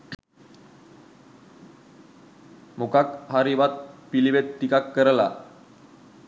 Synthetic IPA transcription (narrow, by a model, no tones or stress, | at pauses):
mokakɦaɾibat̪̚pilibet̪ːikakːəɾla̰